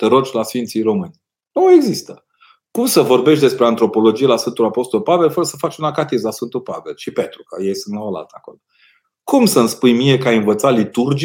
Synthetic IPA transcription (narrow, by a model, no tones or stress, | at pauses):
t̪eɾot͡ʃʲlasfint̪sijro̞mɨnʲ | noe̞ɡzist̪ə | kumsəvo̞rbe̞ʃt̪ʲd̪espɾe̞ant̪ɾo̞po̞lo̞d͡ʒijelasfɨnt̪ulapo̞st̪olpave̞lfəɾəsəfat͡ʃʲunakat̪izlasfɨnt̪ulpave̞̰lʃipe̞t̪ɾukəjejsɨnt̪naəla̰lt̪əako̞lo | kumsənspujmie̞kajɨnvət̪salit̪urd͡ʒ